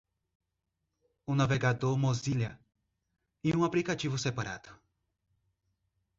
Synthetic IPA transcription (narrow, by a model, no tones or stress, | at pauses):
ũnaveɡad̪oɾmoziʎjɐ | iũaplikat͡ʃivʊsepaɾa̰d̪̥ʊ̥